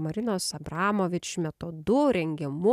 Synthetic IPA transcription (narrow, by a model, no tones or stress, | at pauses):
mɐɾʲɪnoːsɐbɾɑːmoːʋʲɪt͡ʃmʲɛt̪oːd̪ʊɾʲɛŋʲɡʲɪmʊ